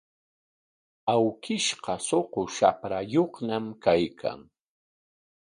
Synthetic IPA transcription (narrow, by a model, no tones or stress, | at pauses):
awkɪʃqɑsoqoʃapɾajoχnamkajkʰa̰ŋ